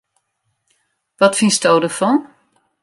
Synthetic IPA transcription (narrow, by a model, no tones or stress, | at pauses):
ʋɔtfinstowdəfɔn